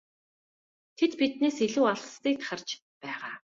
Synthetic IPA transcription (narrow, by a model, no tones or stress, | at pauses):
t̪ʰet̪pit̪̚neːsiɮuːaɮst̪iːk̚t̪ʰḁχə̆rt͡ɕ | pæːʁaː